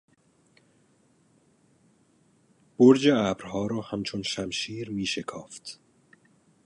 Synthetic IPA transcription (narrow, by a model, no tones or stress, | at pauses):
b̥oɾd͡ʒeæːbɾhɒːɾɒːhæmt͡ʃʰonʃæmʃiːɾmiːʃekʰɒ̰ːft̪